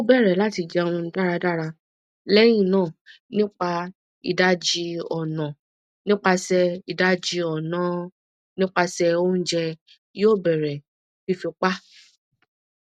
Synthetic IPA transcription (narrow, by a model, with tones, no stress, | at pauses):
o˦bɛ˦˨ɾɛ˨la˦ti˧d͡ʒɛ˧a˨w̃ɔ̃˧n̩˦da˦ɾa˧da˦˨ɾa˧ | lɛ˦j̃ĩ˦˨nãː˦˨ | nĩ˦k͡pa˧ | ḭ˨da˦d͡ʒi˧˦ɔ˨nã˨ | nĩ˦k͡pa˧sɛ˧i˨da˨˦d͡ʒi˧ɔ˨nã˨˦ | nĩ˦k͡pa˧sɛ˧o˦n̩˦d͡ʒɛ˧ | jo˦˨bɛ˨ɾɛ˨ | fi˦fi˧k͡pa˦